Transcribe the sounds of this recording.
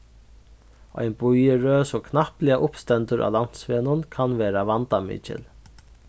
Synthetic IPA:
ɔ̰jnbujəɾøːsɔːkʰnahplɪaʔʊpst̪ɛnt̪ʊɾʔa̰ːlan̥t̪sʋeːnʊnkʰanvɛːɾavant̪amḭːt͡ʃɪ̰l

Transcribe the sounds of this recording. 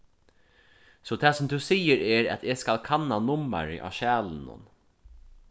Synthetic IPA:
sɔt̪ʰɛːsʊmt̪ʰusiːəɾɛɹɛ̰t̪eskalkʰanːanʊma̰ɾɪ̰ʔa̰ːʃæːlnʊ̰n

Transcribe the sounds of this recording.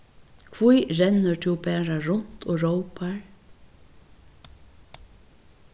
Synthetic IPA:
kʰvujɾɛnːəɹt̪ʰuwbɛːɹaɹʊn̥t̪ʰoːɹowpaɹ

